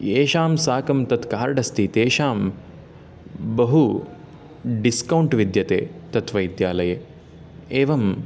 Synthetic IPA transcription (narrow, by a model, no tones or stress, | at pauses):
eːʃaːmsaːkɐmt̪ɐt̪kaːɾɖɐst̪ʰit̪eːʃaːm | bɐɦu | ɖiskɐwɳʈʋid̪jɐt̪ḛːt̪ɐt̪ʰʋɐjd̪jaːlɐje | eːʋɐm